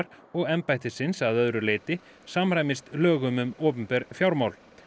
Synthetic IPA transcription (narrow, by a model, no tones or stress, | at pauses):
ɾ | ɔɣɛmpajht̪ɪsɪnsaðœðɾʏleːjt̪ɪ | saːmɾajmɪst̪lœːɣʏmʏmoːpʏmpɛɾfjawɾmawl